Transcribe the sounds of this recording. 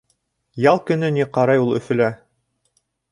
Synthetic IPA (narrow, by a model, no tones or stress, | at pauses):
jɑlˠkɵ̆nɵniqɑɾɑjulˠɵ̆fɵ̆læ